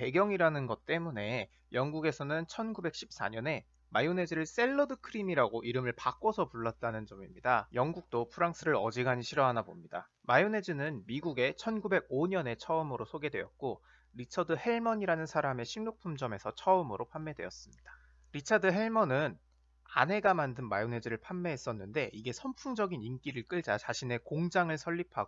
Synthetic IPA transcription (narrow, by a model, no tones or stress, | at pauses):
pe̞ɡjʌŋiɾanɯnɡʌt̚t͈e̞mune̞ | jʌŋɡuɡe̞sʰʌnɯnt͡ɕʰʌnɡube̞k̚ɕ͈ʰip̚s͈a̰ɲʌne̞ | majone̞d͡ʑiɾɯɭs͈e̞ɭːʌdɯkʰɯɾimiɾaɡoʔiɾɯmɯɭpak͈ʌsʰʌpuɭːat̚t͈anɯnd͡ʑʌmimɲidajʌŋɡuk̚t͈opʰɯɾaŋs͈ʰɯɾɯɾʌd͡ʑiɡaɲiɕʰiɾʌɦanabomɲida̰ | majone̞d͡ʑinɯnmiɡuɡe̞t͡ɕʰʌnɡube̞ɡ̚oɲʌne̞t͡ɕʰʌɯmɯɾosʰoɡe̞dwe̞jʌt̚k͈o | ɾit͡ɕʰʌdɯhe̞ɭmʌɲiɾanɯnsʰaɾame̞ɕʰinnok̚pʰumd͡ʑʌme̞sʰʌt͡ɕʰʌɯmɯɾopʰamːe̞dwe̞ʌs͈ɯmɲid̥ḁ | ɾit͡ɕʰadɯɦe̞ɭmʌnɯn | a̰nɦe̞ɡamandɯnmajone̞d͡ʑiɾɯɭpʰamːeɦes͈ʌnːɯnde̞ʔiɡe̞sʰʌmpʰuŋd͡ʑʌɡinink͈iɾɯɭk͈ɯɭd͡ʑat͡ɕaɕʰine̞koŋd͡ʑaŋɯɭsʰʌʎːipʰaɡo